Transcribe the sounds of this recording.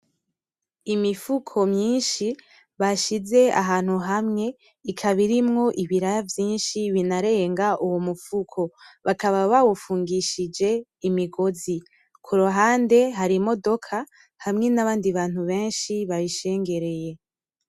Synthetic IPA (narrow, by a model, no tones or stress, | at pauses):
imifukʰo̞mɲiːnʃi | βaʃize̞a̰ɦaːn̥huɦamŋe̞ | ikʰaβiɾimŋo̞ʔiβiɾajavjiːnʃiβinaɾe̞ːŋɡaʔuwomufukʰo̞βakaβaβawufuːŋɡiʃid͡ʒe̞imiɡo̞zi | kʰuɾuɦaːnde̞ɦaɾimo̞do̞kʰa | hamŋe̞naβaːndiβaːn̥huβe̞ːnʃiβaβiʃe̞ːŋɡe̞ɾe̞je̞